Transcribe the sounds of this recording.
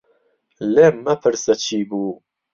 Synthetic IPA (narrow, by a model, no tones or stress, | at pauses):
leːmɐpʰɨɾsɐt͡ʃʰiːbuː